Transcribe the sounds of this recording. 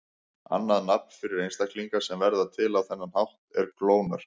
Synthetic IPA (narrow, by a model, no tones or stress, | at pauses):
a̰nːaðnapn̥fɪɾɪɾejnst̪ahkʰliŋkasɛmvɛɾðat̪ʰɪlawθɛnːanhawht̪ɛɾkloːwnaɾ̥